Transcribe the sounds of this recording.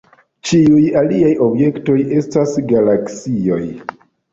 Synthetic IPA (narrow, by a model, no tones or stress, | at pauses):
t͡ʃiujaliajo̞bje̞kto̞je̞stasɡalaksio̞j